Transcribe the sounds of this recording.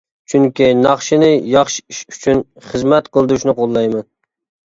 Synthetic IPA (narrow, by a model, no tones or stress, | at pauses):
t͡ʃʰyŋkʲinɑχʃɪnɪjɑχʃiʃyt͡ʃʰyn | χɨzmɛt̪qʰəlˠd̪uʃnɪqʰolˠːɑjmɛn